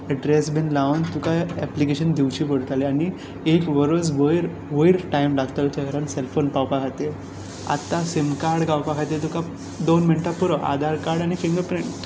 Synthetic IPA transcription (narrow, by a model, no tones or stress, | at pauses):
ɛɖɾesbʱinlaʋənt̪ukaɛplikeɕənd̪iwt͡ɕipəɽt̪aleani | ekʋəɾod͡zʋəjɾ | ʋəiɾʈajmɖaɡt̪əlt͡ɕ̪aɡəɾanselfonpawpakʰat̪e | a̰t̪ːasimkaɾɽɡawpakʰat̪et̪uka | d̪onminʈapuɾəʔa̰d̪ʱaɾkaɾɽañikeŋɡəpɾeɳʈ